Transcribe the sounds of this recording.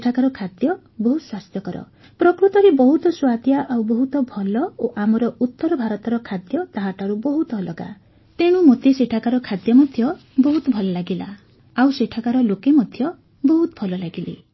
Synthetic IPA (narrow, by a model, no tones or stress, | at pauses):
ʈʰakaɾɔkʰad̪jɔ | bɔɦut̪swast̪jɔkɔɾɔ̰ | pɾɔkɾut̪ɔɾebɔɦut̪ɔswad̪jaʔawbɔɦut̪ɔbʱɔlɔoʔamɔɾɔut̪ːɔɾɔbʱaɾɔt̪ɔɾɔkʰad̪jɔt̪aɦaʈʰaɾubɔɦut̪ːlɔɡa̰ | t̪eɽ̃umot̪eseʈʰakaɾɔkʰad̪jɔmɔd̪ʱjɔbɔɦut̪ɔbʱɔlɔlaɡila | awseʈʰakaɾɔlokemɔd̪ʱjɔ | bɔɦut̪ɔ̥pʰɔlɔlaɡilḭ